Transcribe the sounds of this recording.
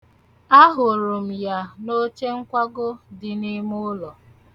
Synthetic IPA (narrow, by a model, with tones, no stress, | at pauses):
a˦ɦʊ˨ɾʊ˨m̩˨ja˦no˦t͡ʃe˦ŋ̩˦kʷa˦ɡʊ˦dɪ˨ni˦mʊ˦lɔ˨